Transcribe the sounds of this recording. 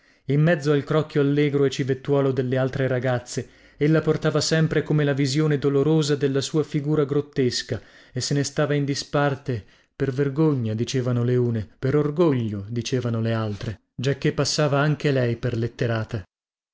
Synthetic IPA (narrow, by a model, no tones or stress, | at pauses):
imːɛd̪zːoalkɾɔkːjoalːɛːɡɾoet͡ʃːivet̪ːwɔːlod̪elːealt̪ɾeɾaɡat̪sːe | elːaport̪aːvasɛmpɾekomelavizjoːned̪oloɾoːzad̪elːasuːafiɡuːɾaɡɾot̪ːeska | esːenest̪aːvaind̪ispart̪e | perverɡoɲːad̪it͡ʃeːvanoleuːnepeɾorɡoʎːod̪it͡ʃeːvanolealt̪ɾe | d͡ʒakːepːasːaːvaaŋk̟elɛjperlet̪ːeɾaːt̪a